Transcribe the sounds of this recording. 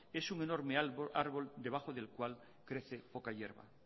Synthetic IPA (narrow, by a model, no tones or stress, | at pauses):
e̞suŋe̞no̞ɾmeaɾβo̞ld̪e̞β̞axo̞ðe̞lkwal | kɾe̞θe̞po̞kaʝe̞ɾβa̰